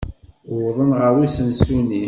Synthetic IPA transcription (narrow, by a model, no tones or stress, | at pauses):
wðˤənʁəwisənsuni